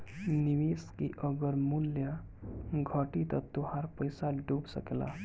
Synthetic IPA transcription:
niʋeskiʔəɡəɾmulja | ɡʱəʈit̪ɔt̪uɦaɾpəjsaɖubsə̰kela̰

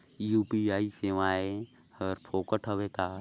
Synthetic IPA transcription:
juːpiaːiseːʋaːe | həɾpʰoːkəʈʰɦəʋekaː

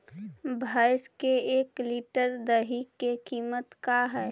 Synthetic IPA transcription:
bʱaːɪskeeːkliʈəɾd̪əɦikːekiːmət̪kaɦɛː

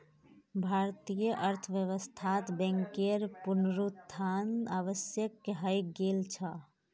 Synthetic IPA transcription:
bʱaɾt̪ijəʔəɾt̪ʰəʋjəʋəst̪ʰat̪bɛ̃ŋkeɾpunɾuanaʋəsjəkːeɦəjɡelt͡ʃʰə

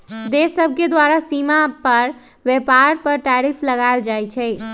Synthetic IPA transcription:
d̪esəb̚ʱked̪waɾasimapəɾ | ʋepaɾpəɾʈaɾipʰləɡaeld͡ʒajt͡ʃʰɛ

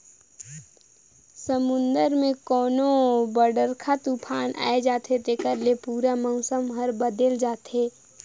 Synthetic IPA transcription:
səmʊ̃nd̪əɾmẽkɔːnobəɖəɾkʰat̪upʰaːnʔa̰ːed͡ʒaːt̪ʰet̪eːkəɾlepuːɾaməʊsəmɦəɾbəd̪eld͡ʒaːt̪eː

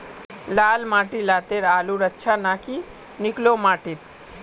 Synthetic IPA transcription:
laːlmaːʈilaːt̪eɾaːluɾətːʃʰanaːki | nɪklomaːʈit̪̚

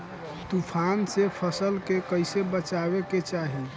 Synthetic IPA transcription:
t̪upʰansepʰəsəlkekəɪsebət͡ʃabeket͡ʃaɦi

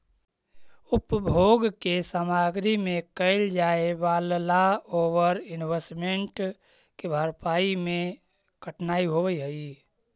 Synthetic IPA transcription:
ʊpbʱoːɡkesaːmaːɡɾimẽkəɪld͡ʒaːeʋaːllaoːʋəɾɪnʋesmeɳʈ | kebʱaːɾpaːimẽ | kʰəʈʰnaːiɦoːʋəiɦəi

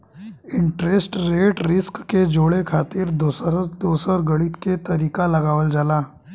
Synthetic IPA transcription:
ɪɳʈɾesʈɾeːʈɾɪskːed͡ʒoɭekʰaːt̪ɪɾd̪osɾd̪oːsəɾɡəɭit̪ket̪ɐɾiːkalɐɡaːʋəld͡ʒaːlaː

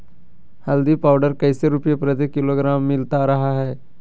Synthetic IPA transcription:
hɐld̪ipaːʊɖəɾkɐɪseɾʊpjepɾət̪̬ikɪloɡɾaːmːɪlt̪aɾɐɦaɦɛː

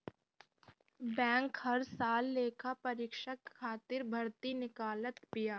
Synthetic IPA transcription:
bɛ̃ːŋkhɐɾsaːlːeːkʰapɐɾɪkʃəkʰːaːt̪ɪɾbʱɐɾt̪inɪkaːlət̪pɪjaː

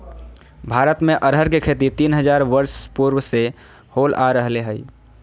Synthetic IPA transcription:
bʱaɾət̪meʔəɾɦəɾkekʰet̪it̪inɦəd͡ʒaɾʋəɾspuɾʋse | holʔaɾəɦleɦəj

